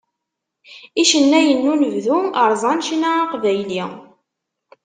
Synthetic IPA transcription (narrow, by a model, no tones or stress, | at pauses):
iʃənːæjənːunəvðuəɾˤzˤɑnʃinaɑqvæjli